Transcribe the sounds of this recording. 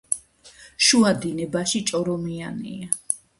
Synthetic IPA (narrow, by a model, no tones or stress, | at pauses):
ʃuad̪inɛbaʃit͡ʃʼɔɾɔmianḭa